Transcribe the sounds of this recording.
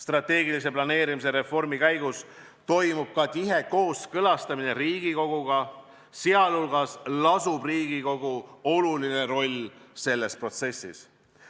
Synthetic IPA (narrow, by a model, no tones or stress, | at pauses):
st̪rɑt̪ːˑe̞ːɡilis̬e̞plɑne̞ːɾimis̬e̞ɾe̞fo̞rmikæjɡus | t̪o̞jmub̥̚kɑt̪iɦe̞ko̞ːskɤlɑst̪ɑmine̞ɾiːɡ̥iko̞ɡ̥uɡ̥ɑ | seɑlhulɡɑslɑsub̥riːɡiko̞ɡ̥uo̞lulineɾo̞lʲse̞lːe̞spro̞t̪se̞sːis